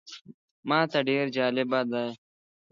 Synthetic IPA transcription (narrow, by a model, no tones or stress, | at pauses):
mãːt̪ɐɖeːɾd͡ʒaːlebaːd̪aːj